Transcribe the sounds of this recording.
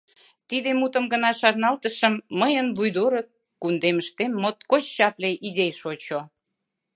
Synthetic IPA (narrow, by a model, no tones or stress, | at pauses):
t̪id̪emut̪əmɡənɑʃɑrnɑlt̪əʃəmːəjənβujd̪oɾəkː | und̪eməʃt̪emːot̪̚kot͡ɕːɑpleʔid̪ʲejʃot͡ɕo